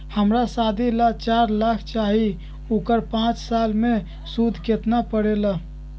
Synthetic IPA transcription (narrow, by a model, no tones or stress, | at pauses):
həmɾasad̪ʱilat͡ʃaɾlakʰt͡ʃaɦi | ukəɾpãt͡ʃsalme | sud̪ʱket̪napəɽela